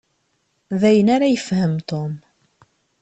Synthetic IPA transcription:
ðæjənaɾajəfhəmt̪om

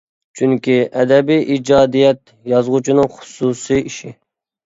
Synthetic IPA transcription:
t͡ʃʰyŋkʲiʔɛd̪ɛbijʔid͡ʒɑːd̪ijɛt̪̚ | jɑzʁut͡ʃʰinɨŋχʊ̥susɨjiʃi

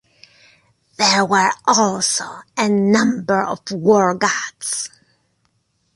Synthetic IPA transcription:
ðə˞wə˞ʔɔlˠsoʊɨnʌ̃mbə˞ʌ̰vwɔɹɡɑts

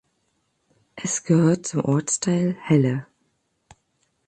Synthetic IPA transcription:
ʔɛsɡ̥əhøːɐtt͡sʊmʔɔɐt͡stʰaɪlhɛlə

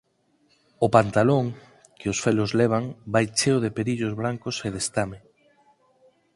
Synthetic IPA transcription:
ʊpant̪aloŋ | keosfelʊzlɛβ̞aŋbajt͡ʃeoðepeɾiʎozβɾaŋkʊseðest̪ame

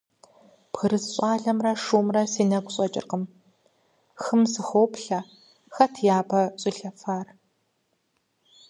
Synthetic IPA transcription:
pxɨɾɨzɕʼaːɮɐmrɐʂuːmrɐsiːnɐɡʷʼɕʼɐt͡ʃʼɪ̰rqəm | xɨmsɨxoːpɬɐ | xɐtʰjaːbɐɕʼiɬɐfaːr

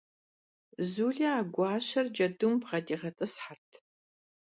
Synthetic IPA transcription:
zuːɮɐaːɡʷɑːɕɐrd͡ʒɐdumbʁɐdiːʁɐtʼɐsħartʰ

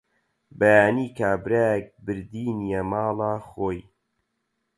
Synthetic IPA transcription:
bɐjaːniːkaːbɾaːjek̚bɨɾd̪iːnijemaːlˠaːxoːj

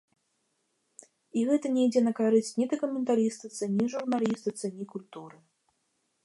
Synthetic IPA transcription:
iɣɛt̪ɐnʲɛjd͡zʲɛnɐkaɾɨsʲt͡sʲnʲid̪ɐkumʲɛnt̪aɾʲist̪ɨt̪sɨnʲiʐurnalʲist̪ɨt̪sɨnʲikulʲt̪uɾɨ

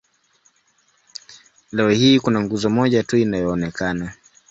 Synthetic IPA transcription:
lɛɔhiːkunaŋɡuzɔmɔʄatuinajɔːnɛkana

